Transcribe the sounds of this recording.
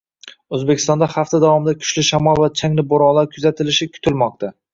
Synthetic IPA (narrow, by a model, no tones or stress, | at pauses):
ɵzbekʰʲɪ̥st̪ɒnd̪ahaft̪ʰad̪avɒmɪd̪akʲʰʊ̥ʃlɪʃamɒlˠvat͡ʃʰaŋlɪboɾɒlˠaɾkʰʊzat̪ʰɪlɪʃɪkʰʊ̥t̪ʰɪlmɒq̚t̪ʰa